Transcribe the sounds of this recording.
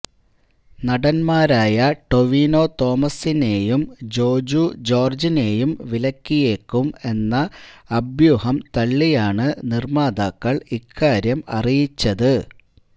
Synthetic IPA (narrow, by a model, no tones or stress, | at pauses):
nɐɽɐnmaːɾaːjɐʈo̞ʋiːno̞ːt̪o̞ːmɐsine̞ːjumd͡ʑo̞ːd͡ʑud͡ʑo̞ːrd͡ʑine̞ːjumʋilɐkːije̞ːkːume̞nːɐːbjuhɐmt̪ɐɭːijaːɳɨnirmaːd̪aːkːɐɭikʰːaːɾjɐmɐ̰rijit͡ɕːɐðɨ